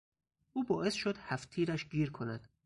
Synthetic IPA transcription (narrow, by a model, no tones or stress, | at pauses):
ʔuːbɒːʔe̞sʃod̪̥hæft̪ʰiːɾæʃɡiːɾkʰo̞næd̪̥